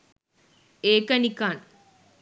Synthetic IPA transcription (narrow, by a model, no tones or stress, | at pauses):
eːkːɐnikːaːn